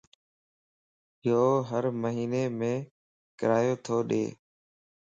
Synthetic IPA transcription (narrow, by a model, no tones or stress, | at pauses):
joːɦəɾməɦiːneːmẽː | kəɾaːjoːt̪ʰoːɗḛː